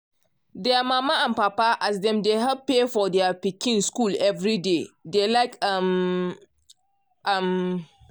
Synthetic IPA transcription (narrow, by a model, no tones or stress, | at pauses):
dɛamamaãnpapaʔasdɛ̃mdeɦɛb̚pefɔdɛapikːĩnskulɛvɾidedelaɪkam | ʔam